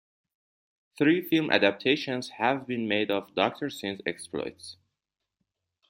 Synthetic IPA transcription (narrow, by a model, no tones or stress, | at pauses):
θɹiːfilˠmʔæ̰dæp̚tʰeʃə̃nz̥hævbĩnmeɪdɔvdɔk̚tʰəɹsɪ̃nsɛ̰ksplɔ̰jts